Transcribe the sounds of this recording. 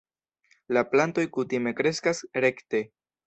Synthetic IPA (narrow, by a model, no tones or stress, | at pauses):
laplanto̞jkutime̞kɾe̞skasɾe̞kte̞